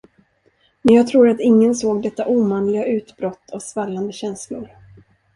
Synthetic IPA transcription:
mɛnjɑːɡt̪ʰɾuːɾat̪ɪŋːənsoːɡd̪ɛt̪ːaʔuːmanlɪɡaʉ̟ːt̪bɾɔt̪ʰːɔvsvalːand̪əɕɛnslʊɾ

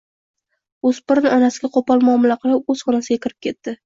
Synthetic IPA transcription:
ospɪɾnɪɒnasɪɡʲaqʰopɒlˠmʊɒːmɪlaqʰɨlˠɪp̚ɵz̥χɒnasɪɡʲakʲɪɾɪp̚kʲʰe̞t̪ːɪ

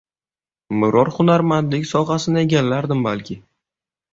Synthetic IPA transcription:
mɪɾɒɾχʊnaɾmant̪lɪkʲsɒχasɪnae̞ɡʲalːaɾd̪ɪmbalkʲʰɪ

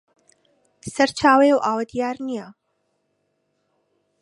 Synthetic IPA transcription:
sɐɾt͡ʃʰaːwɐjɛwʔaːwɐd̪ijaːɾnija

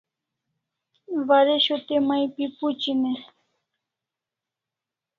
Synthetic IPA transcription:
waɾɪʃʊt̪emajpɪpʊt͡ʃine

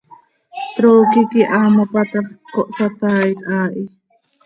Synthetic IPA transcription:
t̪ɾoːkikiʔamopat̪akoʔsat̪aːʔit̪aːʔi

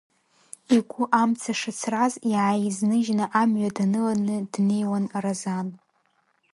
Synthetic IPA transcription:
iɡʷʰʼʊʔamt͡sʰaʂat͡sʰraziʕajiznɨʒnaʔamʕʷadanɨlanɨdnejwanarazan

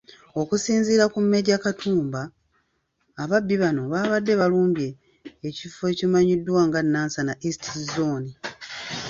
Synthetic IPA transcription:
o̞kusiːnziːɾakumːe̞ɟakatʰuːmba | βabːiβano̞βaːβadːe̞βaluːmbjeː | cife̞cimaɲidːwaːŋɡanːaːnsanaʔistizoːni

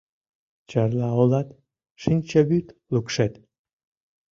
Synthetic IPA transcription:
t͡ɕɑrlɑolɑt̪ | ʃinʲt͡ɕəβyt̪lukʃet̪

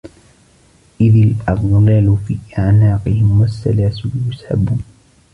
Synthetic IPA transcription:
ʔɪðalʔɑbˤlaːlʊfiːʔaʕnaːqɪhɪmwasːa̰laːsɪljʊsħa̰buːn

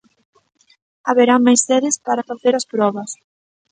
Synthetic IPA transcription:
aβeɾaŋmajsɛðɪspaɾɐfaθeɾɐspɾɔβɐs

